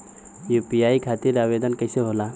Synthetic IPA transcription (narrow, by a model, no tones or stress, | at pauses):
jupijaikʰat̪iɾaʋed̪ənkɐɪseɦola